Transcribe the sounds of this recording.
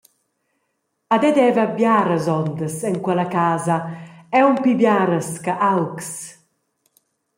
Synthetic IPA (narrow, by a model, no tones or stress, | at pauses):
ad̪ɛd̪ɛvabjaːɾəzɔnd̪əsɛŋkwɛlakaːzaɛumpibjaːɾəskaʔalks